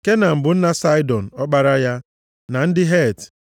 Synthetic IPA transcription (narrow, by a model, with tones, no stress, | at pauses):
ke˦na˨m̩˨bʊ˨n̩˦na˦sa˦ɪ˦dɔ˨n̩˨ɔ˦ɡ͡ba˦ɾa˦ja˦ | na˨n̩˦dɪ˦ɦe˦˨t